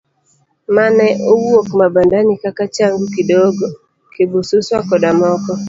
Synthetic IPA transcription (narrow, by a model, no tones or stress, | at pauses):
manɛʔowokmabandanɪkakat͡ʃaŋɡukidoɡɔ | kebosuswakɔdamɔkɔ